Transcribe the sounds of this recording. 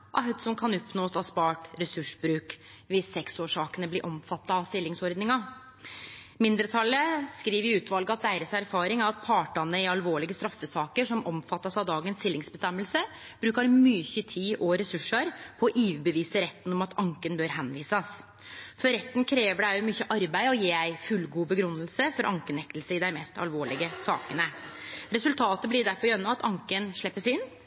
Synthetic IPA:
ʔɑ̰ɦd̪sɔmkʰɑnɔpnoːsɑspɑːʈɾɛsʉʂbɾʉːk | ʋɪsːɛksoːʂɑːkənəblɪʔɔmfɑt̪ːɑɑʋst̪ɪlːɪŋsɔɾd̪nɪŋɑ | mɪnd̪əɾt̪ʰɑlːəskɾiːʋəɾjɪʉːt̪ʰʋɑlɡəɑt̪̚d̪æɪɾəsæɾfɑːɾɪŋæɾɑt̪̚pʰɑːʈɑnəɪɑlʋoːɭɪɡəst̪ɾɑfːəsɑːkəʂɔmʔɔmfɑt̪ːɑsɑʋd̪ɑːɡənst̪ɪlːɪŋsbəst̪ɛmːəlsə | b̥ɾʉːkɑɾmyçət̪ʰiːʔoːɾɛsʉʂəɾpʰɔːʔiːʋbəʋiːsəɾɛt̪ːənɔmɑt̪ʰɑŋkənbøːɾɦɛnʋiːsɑs | fɔɾɾɛt̪ːn̩kʰɾeːʋəɖæʊmyçːəʔɑɾbæɪɔjiːæɪfʉlɡuːbəɡɾʉnːəlsəfɔɾʔɑŋkənɛk̚t̪lsəɪd̪æɪmɛst̪ɑ̰lʋoːɭɪɡəsɑ̰ːkənəɾɛsʉlt̪ʰɑːt̪əblɪd̪æɾfɔɾjœnːɑɑt̪ɑŋkənʂɭɛpːəsɪnː

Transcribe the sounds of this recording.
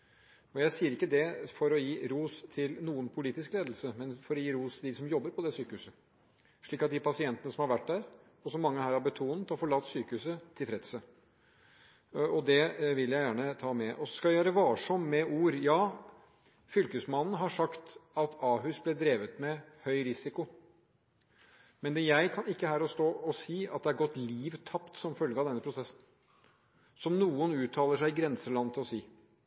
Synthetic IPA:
ɔjæɪsiːəɾɪkːəd̪ɛfɔɾɔjiːɾuːst̪ʰɪlnuːənpʰʊliːt̪ɪskleːd̪l̩səmɛnfɔɾɔjiːɾuːst̪ʰɪld̪ɪsɔmjɔbːəɾpʰɔd̪ɛsyːkəhʉːsə | ʂɭiːkːɑt̪̚d̪ɪpʰɑsɪɛnt̪ənəsɔmhɑɾʋæʈːd̪æɾ | ɔsɔmːɑŋːəhæːɾhɑɾbət̪ʰuːnət̪ɔfɔɭɑːt̪ːsyːkəhʉsət̪ʰɪlfʰɾɛt̪sə | ɔd̪ɛʋɪljæɪjæːɳət̪ʰɑːmɛʔɔsskɑæjøːɾəʋɑːʂɔmːɛʔuːɾjɑː | fʏlkəsmɑnn̩ɦɑʂɑkt̪ɑt̪ɑːɦʉsblɛd̪ɾeːʋət̪mɛhœʏɾɪsɪkʊ | mɛnɛjæɪkʰɑnɪkːəɦæːɾɔst̪oːɔsiːɑ̰t̪̚d̪ɛæɾɡɔt̪ːliːʋt̪ʰɑpt̪sɔmfœlɡəɑʋd̪ɛnːəpʰɾʊsɛsn | sɔmnuːʊnʉːt̪ʰːɑːləʂæɪɪɡɾɛnsəlɑnːət̪ʰɪlɔsiː

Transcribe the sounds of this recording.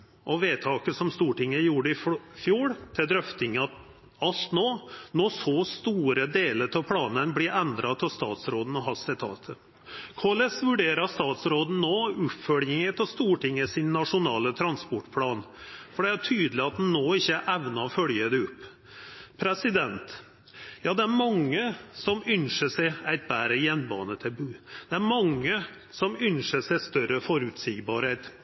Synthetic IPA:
ʔɔʋeːt̪ʰɑːkəsɔmst̪uːʈɪŋːəjuːɾəɪffjuːɽt̪ʰɪld̪ɾœft̪ɪŋəɑt̪ | ɑlt̪noːnɔsɔst̪uːɾəd̪eːləɾt̪ʰɑpʰlɑːnənblɪɾʔɛnd̪ɾɑt̪ʰɪlst̪ɑ̰ːt̪sɾoːd̪n̩ɔɦɑsɪt̪ʰɑ̰ːt̪ʰə | kʰoːlɛsʋʉɖeːɾɑst̪ɑːt̪sɾoːd̪n̩noːʉpfœɽjɪŋət̪ʰɛlst̪uːʈɪŋːəsɪnːɑʂʊnɑːlət̪ʰɾɑnspɔʈpʰlɑːnfɔɖɛæʈʰyːd̪əlɪɑt̪̚d̪nnːoːɪçːəʔæʋnɑɔfœljəd̪ɛɔpːʰ | ɾɛsɪd̪ɛnt̪ | jɑːd̪ɛæɾmɑŋːəsɔmʏnʂəsæɪæɪt̪̚bæːɾəjɛnbɑ̰ːnət̪ʰɛbʉːd̪̥ɛæɾmɑŋːə | sɔmʏnʂəsæɪst̪œɾəfɔɾʉːt̪sɪːɡbɑːɾheːt̪

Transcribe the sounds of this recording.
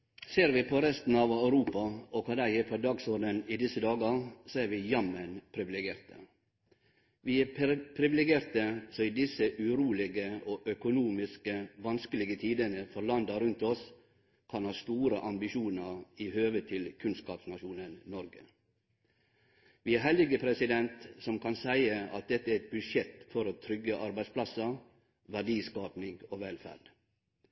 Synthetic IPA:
seːɾʋɪpʰɔɾɛst̪n̩ɑʋɑʉɾuːpɑɔkʰɑd̪æɪɛpʰɔd̪ɑːɡsɔɾɖ̪ənɪd̪ɪsəd̪ɑːɡəɾsoæɾʋɪjɑmənpʰɾɪʋɪlɛɡɪeːɾt̪ə̰ | ʋɪæpʰɾɪʋɪlɛɡeːɾt̪əsoid̪ɪsəʔʉɾuːlɪɡəoːʔœkʊnuːmɪskəʋɑnskəlɪɡət̪ʰiːd̪ənəfɔɾlɑnd̪əɾʉnt̪ɔs | kʰɑnhɑːst̪uːɾəʔɑmbɪʃuːnəɾɪhøːʋət̪ʰːɪlkʰʉnskɑ̰ːpsnɑʃuːnənnɔɾɡə | ʋiːæɾɦhɛləɡəpʰɾɛsɪd̪ɛnt̪sɔmkʰɑnsæɪəɑt̪̚d̪ɛt̪ːəæɾɛt̪̚bʉʂjɛt̪fɔɾoːt̪ʰɾʏɡːəʔɑɾbæɪsplɑsə | ʋæɖiːskɑːpnɪŋɡoːʋɛlfæ̰ɖ

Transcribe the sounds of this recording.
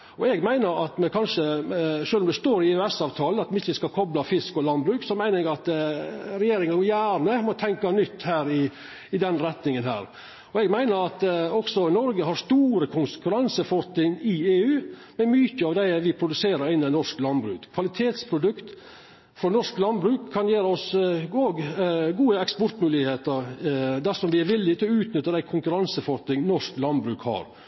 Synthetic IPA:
ɔɛɡmæɪnəɾɑt̪mɛkʰɑnʂəʂøːlɔmd̪ʉst̪oːɾɪœɛsɑːʋt̪ʰɑːləɑt̪mɛɪçːəskɑkʰɔblɑfɪskɔlɑnbɾʉːksɔmæɪnəɾɛɡɑt̪ɾɛjeːɾɪŋɑɡjæːɾnəmɔt̪ʰɛŋkɑnʏt̪ːhæːɾɪ | ɪd̪ɛnɾɛt̪nɪŋənhæ̰ːɾ | ɔɛɡmæɪnəɾɑt̪ɔksɔnɔɾɡəɦɑɾʂt̪uːɾəkʰʊnskʉɾɑnsəfɔt̪ːɪnɪeːʉːmɛmyçəɑːʋd̪æɪʋɪpʰɾʊd̪ʉseːɾəɾɪnːɪnɔʂklɑnbɾʉ̰ːkkʰʋɑlɪt̪ʰeːt̪spʰɾʊd̪ʉkt̪ | fɾɔnɔʂklɑnbɾʉːkʰːɑnjeːɾəɔsoːɡɡuːəɛkspɔɾʈ̪mʉːlɪheːt̪əɾd̪æɾsɔmd̪ɪæɾʋɪlːɪt̪ʰɪlɔʉːt̪nʏt̪ːəd̪æɪkʰʊŋkʉɾɑnsəfɔɾt̪ɪŋnɔʂklɑnbɾʉːkhɑ̰ːɾ

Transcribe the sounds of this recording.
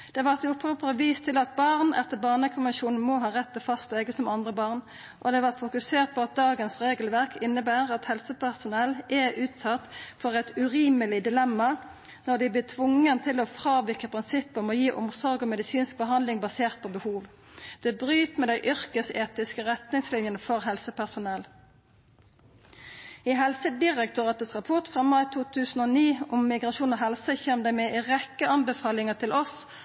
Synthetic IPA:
d̪̥ɛʋɑʁt̪ʊpʰoːpəʁəʋiːst̪ʰɪlɑt̪̚bɑʁnɛ̰t̪ːəbɑːʁnəkʰʊnʋənʃuːnn̩moɦɑːʁɛt̪ːəfɑst̪lɛɡəsɔmɑnd̪ʁəbɑːʁn | ʔɔd̪ɛʋɑʁt̪fʊkʉseːʁt̪̚pʰɔɑt̪̚d̪ɑːɡənsʁeːɡəlʋæʁkɪnːəbæːʁɑt̪hɛlsəpæʁsʊnɛlːʔɛʔʉːt̪sɑt̪ːfɔʁɛt̪ʉʁiːməlɪd̪ɪlɛmːɑ | nɔʁd̪ɪblɪt̪ʰʋʊŋːənt̪ʰɪlɔfʁɑːʋɪkəpʰʁɪnsɪpːəmɔjiːʔʊmsɔʁɡɔmɛd̪ɪsiːnsk̚bəɦɑnd̪lɪŋbɑseːʁt̪̚pʰɔbəhuːʋ | d̪̥ɛːbʁyːt̪mɛːd̪æɪʔʏʁkəseːt̪ɪskəʁɛt̪nɪŋslɪnjənəfɔʁɦɛlsəpʰæʁsʊnɛl | ɪɦɛlsəd̪ɪʁəkt̪ʰʊʁɑt̪əsʁɑpʰʊʁt̪fʁɑmɑɪt̪ʰuːt̪ʰʉːsən̩oːniːʊmːɪɡʁɑʃuːnɔɦɛlsəçɛmd̪æmɛʁɛkːəɑnbəfɑːlɪŋət̪ʰɪlʔɔs

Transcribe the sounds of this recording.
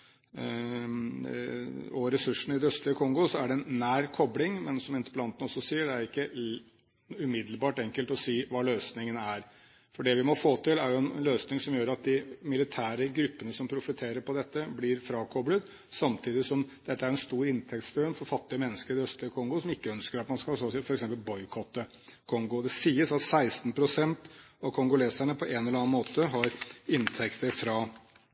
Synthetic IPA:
ɔɾɛsʉʂːn̩ɪd̪œst̪lɪəkʰɔŋɡɔsɔæɖɛɛnːæːɾkʰɔblɪŋmɛnsɔmɪnt̪ə̥plɑnt̪ənɔsːɔsiːəɖɛæɾɪkːə | ʉmɪd̪lbɑːʈɛŋkəlt̪ɔsiːʋɑːløːsnɪŋənæɾ | fɔɖɛʋɪmɔfoːt̪ʰɪlæɾjʊɛnɛnløːsnɪŋsɔmjøːɾɑt̪̚d̪ɪmɪlɪt̪ʰæːɾəɡɾʉpːənəsɔmpʰɾʊfɪt̪ʰeːɾəɾpɔd̪ɛt̪ːəblɪɾfɾɑːkʰɔblət̪ | sɑmt̪ʰiːd̪ɪsɔmd̪̥ɛt̪ːəæɾɛnst̪uːɾɪnt̪ʰɛkt̪sfnfɔɾfɑt̪ːɪəmɛnːəskəɾɪœst̪ɾəkʰɔŋɡʊsɔmɪkːəœnskəɾɑt̪mɑnskɑsɔsfɔɾɛksɛmpəlbɔʏkʰɔt̪ːə | kʰɔŋɡʊd̪ɛsiːəsɑt̪sæɪst̪n̩pʰɾʊsɛnt̪ɑʋkʰɔŋɡʊleːsæɳəpʰɔʔeɛːnɛləɾɑːnmoːt̪əɦɑɾɪnt̪ʰɛkt̪əɾfɾɑ

